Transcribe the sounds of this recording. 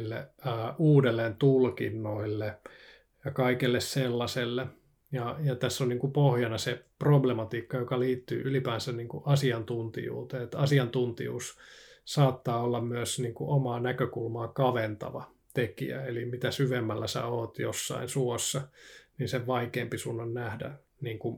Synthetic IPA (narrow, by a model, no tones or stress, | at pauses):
lːḛːuːdelːeːnt̪ulkḭnːoilːe | jɑkɑikelːesselːɑselːe | jɑjɑt̪æsːonniːŋkupohjɑnɑseproblemɑt̪iːkːɑjokɑliːt̪ːy̰ːʔylipæːnsænniːŋkuʔɑsiɑnt̪unt̪ḭjṵːt̪eːet̪ɑsiɑnt̪unt̪ḭjṵːssɑːt̪ːɑːolːɑmmyæsniːŋkuʔomɑːnækøkulmɑːkɑʋent̪ɑ̰ʋɑ | t̪ekḭæ̰elimit̪æsyʋemːælːæsæ̰oːt̪josːɑ̰insuosːɑniːnseʋʋɑikeːmpisunːɑnnæhdæ̰ | niːŋku